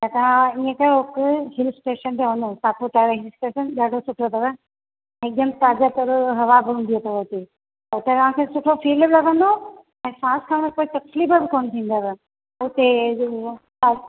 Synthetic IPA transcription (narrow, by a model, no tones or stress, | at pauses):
tat̪ɐʋ̤ãiẽkeɦʊkɦɪlsʈeːʃənt̪ʰeʋɐnd̪osaːpot̪aːɾeɦɪlsʈeːʃənɗaːɖʱosʊʈʰot̪ʰɐʋa | ɪk̚d̪əmt̪aːzat̪ɐɾɦɐʋabʱũnd̪iet̪ʰɐʋot̪e | ʊt̪et̪ɐʋ̤ãkʰesʊʈʰofiːlblɐɡə̃nd̪o | ɛ̃ːsãːskʰaːɽ̃poːit̪ɐkslibəbɪkoːnt̪ʰĩːn̆d̪aʋa | ʊt̪e | a